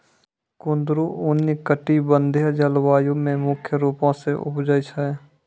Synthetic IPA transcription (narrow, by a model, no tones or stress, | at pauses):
kʊnd̪ɾuʔʊnːikəʈibə̃nd̪ʱeɦd͡ʒəlwaːjumẽmʊkʰjəɾuːpõseʔʊ̰pd͡ʒəit͡ʃʰae